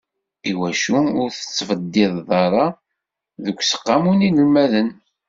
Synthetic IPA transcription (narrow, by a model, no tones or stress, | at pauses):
iwæʃuʊɾθə̥t͡sːfəd̪ːɪðˤðˤɑɾˤɑ | ðəkʷːsə̥qːɑmuninəlmæðən